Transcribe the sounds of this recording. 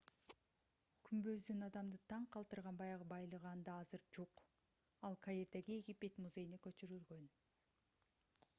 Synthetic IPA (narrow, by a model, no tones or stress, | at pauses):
kʰymbø̞zd̪ynɑd̪ɑmd̪ɯt̪ʰɑɴqʰɑlˠt̪ɯɾʁɑnbɑjɑʁɯbɑjlˠɯʁɑːnd̪ɑɑzɯɾd͡ʒuq | ɑlˠkʰajeɾd̪eɡieɡʲipe̞t̪muze̞jinekø̞t͡ʃyɾylɡø̞n